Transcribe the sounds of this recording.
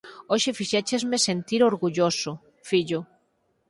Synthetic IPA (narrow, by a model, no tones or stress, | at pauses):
oʃefiʃet͡ʃezmesent̪iɾoɾɣuʎosʊ | fiʎʊ